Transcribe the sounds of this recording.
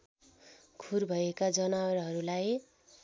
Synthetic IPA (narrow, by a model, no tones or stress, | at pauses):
kʰurbʱʌekad͡zʌnawrɦʌɾulaj